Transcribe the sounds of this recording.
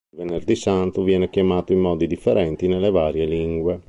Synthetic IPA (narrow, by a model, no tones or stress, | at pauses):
lveneɾd̪isant̪uvjɛːnɛk̟jamaːt̪oimːɔːd̪id̪ifːeɾʔɛnt̪inelevaːɾjeliŋɡwe